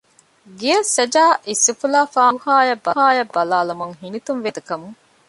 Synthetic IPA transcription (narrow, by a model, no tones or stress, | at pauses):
ɡijɐsɐd͡ʒaːʔisifulaːfaːhaːjɐbːɐɦaːjɐbːɐlaːlumuŋɦinit̪unʋed̪ɐkɐmuŋ